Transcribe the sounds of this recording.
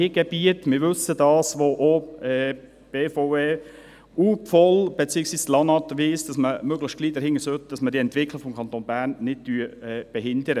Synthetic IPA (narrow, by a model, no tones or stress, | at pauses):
iɡ̥ɛb̥iətmɪɾʋɵsədɑːsʋoʔoɛː | b̥efoeː | uːpfɔlb̥et͡siːəksʋiːslɑnɑt̪ʋiːsd̥ɑsməmøɡləçt̚ɡ̥liːdəɾhɪŋːəsøt̚d̥ɑsmədiːɛntʋɪkʰləkfɔmkʰɑnt̪oːnbæːɾnːɪd̚tyːəɛb̥ɛɦɪndəɾə